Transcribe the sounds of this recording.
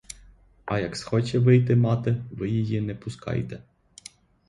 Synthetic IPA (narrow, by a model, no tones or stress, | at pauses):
ɐjɐksxɔt͡ʃɛʋɪjt̪̬ɪmɑt̪ɪʋɪjijinɛpʊskɑ̰jt̪ɛ